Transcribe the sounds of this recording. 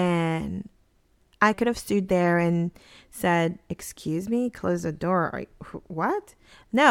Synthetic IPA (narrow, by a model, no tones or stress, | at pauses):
ɨ̃n | ʔaɪkʊɾɨv̥stʉd̪̚ðə˞ɨ̃nsɛɾɨkskʰj̥ʉzmikʰl̥oʊzðɨdɔɹ̰hwʌt̚ | noʊ